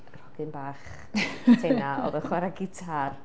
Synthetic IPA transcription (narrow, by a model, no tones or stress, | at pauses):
rɔɡ̥ɨnbaːχ | tʰennaɔ̰ðəχwɛɾaɡɪtʰar